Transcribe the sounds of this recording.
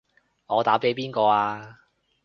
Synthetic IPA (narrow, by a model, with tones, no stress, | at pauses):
ŋɔː˨˧t̪aː˨˥pe˨˥jpiː˥nkɔː˧aː˧